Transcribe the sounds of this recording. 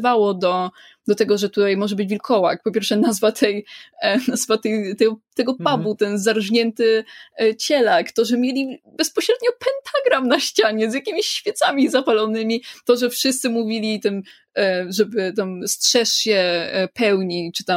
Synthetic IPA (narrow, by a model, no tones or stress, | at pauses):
vawɔd̪ɔ | d̪ɔt̪ɛɡɔʐɛt̪ut̪ajmɔʐɛbɘd͡ʑvʲilkʰɔwak̚pɔpʲjɛɾfʂɛnazvat̪ʰɛjnazvat̪ɛjt̪ɛɡɔt̪ɛɡɔpabut̪ɛnzaɾʐɲɛnt̪ɘt͡ɕɛlakt̪ɔʐɛmʲjelʲibɛspɔɕɾɛd̪ɲɔpɛnt̪ʰaɡɾamnaɕt͡ɕaɲɛzjakʲimʲiɕːfʲjɛt̪samʲizapalɔnɘmʲit̪ɔʐɛfʂɘst̪sɘmuvʲilʲit̪ɛm | ʐɛbɘt̪amstʂɛʂɕɛpɛwɲit͡ʂɘ̥t̪a